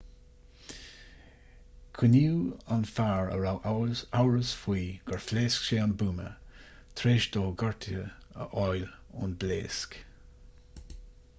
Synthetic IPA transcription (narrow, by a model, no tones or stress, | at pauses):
kʰiniwanfaːɹə̰ɾawʔawɹəsfwiːɡ̥əɹfleːskʃeːanbuːmə̰ | t̪ʰɾeːʃdoːɡɔɹt̪ʰə | ə̰ʔɔjlʊ̰nblḛːsk